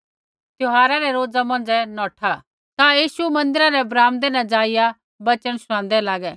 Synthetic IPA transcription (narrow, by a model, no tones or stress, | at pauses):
t̪joɦaːɾaɾɛɾoːd͡zamɐ̃nd͡ʒɛnɔːʈʰa | t̪ajiːʃumɐ̃nd̪ɪɾaɾɛɐbɾaːmd̪eːnɐd͡ʒaːɪja | bɐt͡ʃəɽ̃sʊɽ̃ãːnd̪ɛlaːɡɛ